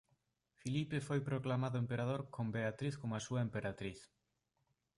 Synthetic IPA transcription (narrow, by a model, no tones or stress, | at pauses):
filipefojpɾoklamaðʊempeɾað̞oɾkombeat̪ɾiθkomasuɐempeɾat̪ɾiθ